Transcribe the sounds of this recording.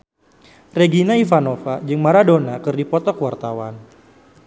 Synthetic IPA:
reɡinaifanofad͡ʒɨŋmaɾadonakɨrdipɔt̪ɔkəwart̪awan

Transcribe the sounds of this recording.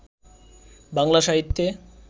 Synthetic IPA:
baŋlaʃaɦit̪ːe

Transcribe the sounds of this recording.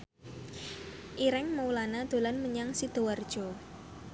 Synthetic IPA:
ʔiɾɪŋməulanad̪̥o̤lanməɲaŋsid̪̥o̤ward̥ʒ̥ɔ̤

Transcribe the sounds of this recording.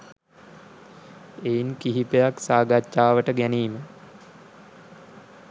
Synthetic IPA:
ejinkiɦipejaksaːɡat͡ʃːaːʋəʈəɡæniːmə

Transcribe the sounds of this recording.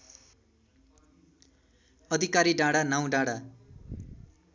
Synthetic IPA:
ʌd̪ʱikaɾiɖãɽanaw̃ɖaɽa

